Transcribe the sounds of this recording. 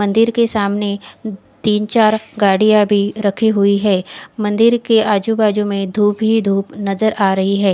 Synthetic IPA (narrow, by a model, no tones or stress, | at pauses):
mɐ̃nd̪ɪɾkesaːmne | t̪iːnt͡ʃaːɾɡaːɽijabʱiɾɐkʰiɦʊiɦɛːmɐ̃nd̪ɪɾkeaːd͡ʒubaːd͡ʒũmẽd̪ʱuːpɦid̪ʱuːpnɐzəɾʔaːɾɐɦiɦɛː